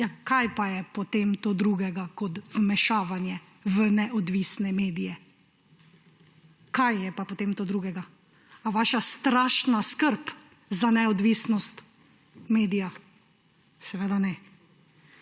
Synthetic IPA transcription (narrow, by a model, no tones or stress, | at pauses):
jakajpajɛpɔt̪eːmt̪oːd̪ɾuɡɛɡakɔt̪vmɛʃaːʋanjɛ | ʋənɛʔɔd̪ʋisnɛmeːd̪ijɛ | kajjɛpapɔt̪eːmt̪oːd̪ɾuːɡɛɡa | aʋaːʃast̪ɾaːʃnaskəɾp | zanɛɔd̪ʋiːsnɔst̪ | meːd̪ija | sɛʋeːd̪anɛ